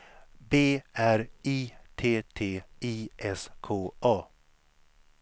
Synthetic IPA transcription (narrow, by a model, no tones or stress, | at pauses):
beːæɾiːt̪ʰeːt̪ʰeːiːʔɛskʰoːʔɑː